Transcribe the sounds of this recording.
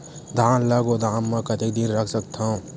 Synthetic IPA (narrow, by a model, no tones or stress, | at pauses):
d̪ʱaːnlaɡod̪ʱaːmmẽkɐt̪ik̚d̪inɾəkʰsək̚t̪ʰaũ